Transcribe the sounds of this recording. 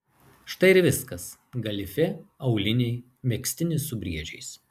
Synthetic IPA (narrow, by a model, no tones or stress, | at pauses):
ʃt̪ɐɪɪɾʋʲɪskɐs | ɡɐlʲɪfʲɛɐʊlʲɪnʲɛɪ | mʲɛksʲt̪ʲɪnʲɪsʊbʲɾʲiɛd͡ʒʲɛɪs